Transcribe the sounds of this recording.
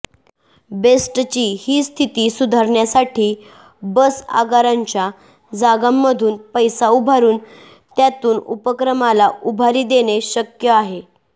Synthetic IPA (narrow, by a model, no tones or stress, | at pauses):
besʈt͡ɕiːhiːst̪ʰit̪iːsud̪ʱaɾɳjasaʈʰiː | bəsa̰ɡaɾaɲt͡ɕja | d͡zaɡamːəd̪ʱuːnpəjsaubʱaɾuːn | t̪jat̪uːnṵpəkɾəmalaubʱaɾiːd̪eɽ̃eɕəkjəaɦe